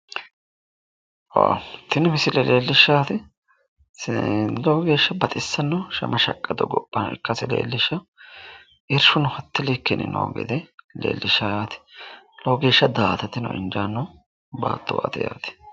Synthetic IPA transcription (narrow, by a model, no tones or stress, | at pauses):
wa̰t̪ɪnɪmɪsɪlɛleːlːɪʃːaːt̪ɪ | loɡe̞ːʃːɐbɐt̪ʼɪsːɐnːɐʃɐ̰mʔɐʃɐkʼːɐd̪ɔɡɔpʼːɐnɐ̰ɪ̰kːɐsɪlḛːlːɪʃːɐ | ʔɪɾʃʊnʊhɐt̪ːɪlɛkːɛnɪ̰no̰ːɡɛ̰d̪ɛlḛːlːʔɪʃajaːt̪ɪ̥loːɡe̞ːʃːɐd̪aːt̪ɐt̪ːɪnɔ̰ʔɪ̰nd͡ʒaːnːɔ | ba̰ːt̪ʰːʊwa̰t̪ɪja̰ːt̪ɪ̥